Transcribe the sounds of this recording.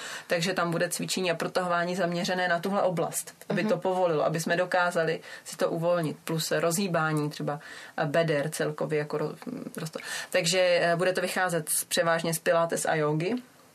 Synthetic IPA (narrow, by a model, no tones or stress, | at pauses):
t̪aɡʒɛt̪ambudɛt͡svɪt͡ʃɛɲiːapɾo̞t̪aɦovaːɲiːzamɲɛrɛnɛːnat̪uɦlɛʔo̞bla̰st̪ʔabɪt̪opo̞vo̞lɪloʔabɪsmɛdo̞kaːzalɪsɪ̥t̪o̞ʔuvo̞lɲɪt̪̚plusɾo̞zɦiːbaːɲiːt̪r̥ɛbabɛdɛɾt͡sɛlko̞vjɛjakoɾoɾost̪ot̪aɡʒɛbudɛt̪o̞vɪxaːzɛt̪spr̥ɛvaːʒɲɛspɪlaːt̪ɛsʔa̰joːɡɪ